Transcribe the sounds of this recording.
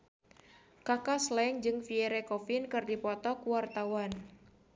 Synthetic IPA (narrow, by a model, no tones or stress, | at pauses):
kakaslɛŋd͡ʒɨŋfieɾekɔfɪnkɨrdipɔt̪ɔkuwart̪awan